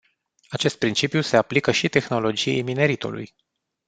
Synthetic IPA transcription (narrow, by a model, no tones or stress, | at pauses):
at͡ʃe̞st̪̚pɾint͡ʃipjuse̞aplikəʃit̪e̞xno̞lo̞d͡ʒiḛjmine̞ɾit̪ṵlṵj